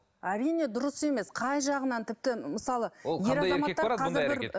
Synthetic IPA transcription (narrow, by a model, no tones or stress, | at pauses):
æɾijne̞d̪ʊɾəse̞me̞sqʰɑjʒɑʁənɑnt̪ʰɪp̚t̪ɪməsɑlˠəje̞ɾɑzɑɾmɑek̪ːɑqʰɑzɪɾɾbɪɾ